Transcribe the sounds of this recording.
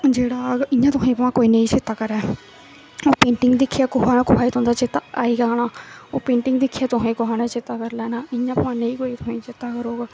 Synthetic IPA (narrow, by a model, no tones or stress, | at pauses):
d͡ʒeːɽaːɪjãːt̪ʊɦẽːpəʋãːkoːiːnə̃ĩːt͡ʃɪt̪ːaːkəɾɛː | oːpẽːɳʈɪŋɡd̪ɪkʰːijaːkʊɦaːnaːkʊaːiːt̪õːd̪aːt͡ʃɪt̪ːaːaːiːɡaːnaːoːpẽːɳʈɪŋɡd̪ɪkʰːijaːt̪ʊɦẽːkʊɦaːnãːt͡ʃɪt̪ːaːkəɾlɛːnaːɪjãːpəʋãːneĩːkoːiːt̪ʊɦẽːt͡ʃɪt̪ːaːkəɾoːɡaː